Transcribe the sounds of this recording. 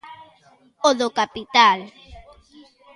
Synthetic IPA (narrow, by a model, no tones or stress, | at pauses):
oðokapit̪al